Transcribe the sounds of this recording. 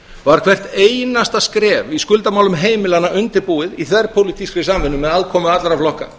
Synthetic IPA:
vaɾkʰv̥ɛr̥t̪eːjnast̪askɾɛːviskʏlt̪amawlʏmɦeːjmɪlanːaʔʏnt̪ɪɾpuːɪðiθvɛr̥pʰowlit̪ʰiskɾɪsamvɪnːʏmːɛðalkʰɔːmʏat̪lɾaflɔhka

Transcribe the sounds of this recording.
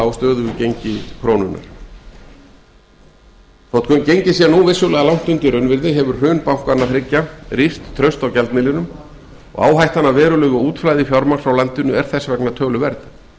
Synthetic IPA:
awst̪œːðʏvɪcejɲcɪkʰɾoːnʏnːa̰ɾ̥ | θɔwt̪kʰœncejɲcɪsiɛnuvɪsjɔwlɛɣalawn̥t̪ʏnt̪ɪɾœnvɪɾðɪɦɛvʏɾ̥hʏːnpawhkanːaθɾɪcːaɾist̪ʰːɾœɥst̪awcɛlt̪nɪlɪnʏm | ɔ̰ɣa̰ːwɦajht̪anːavɛːɾʏlœːɣʏuːt̪flaːjðɪfjawɾmḁsawlant̪ʏnːʏɛɾ̥θɛsːvɛknat̪ʰœːlʏvɛɾt̪nɪ

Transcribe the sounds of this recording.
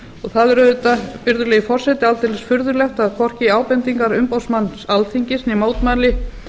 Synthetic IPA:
ɔɣθaðɛɾœːðʏt̪apʏɾðʏɾlɛːjɪfɔr̥sɛt̪ɪalt̪ɛlɛsfʏɾðʏɾlɛxt̪aðkʰɔr̥cɪaːwpɛnt̪iŋkaɾʏmpowsmanːsalt̪ʰiɲcɪsnimoːwt̪malɪ

